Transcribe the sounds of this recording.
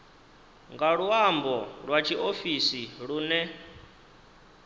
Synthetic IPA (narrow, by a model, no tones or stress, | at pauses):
ŋɡaɺwambɔɺwat͡ʃʰiʔofisiɺuːnɛ